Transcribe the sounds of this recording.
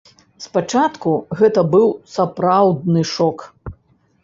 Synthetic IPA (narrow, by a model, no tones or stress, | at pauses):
spat͡ʂat̪kuɣɛt̪ɐbɨwsapɾawd̪̚nɨʂɔk